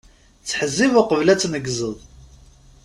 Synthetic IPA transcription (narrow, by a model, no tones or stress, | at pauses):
t͡sːħəzːivaqəvlæt͡sːnəɡzəðˤ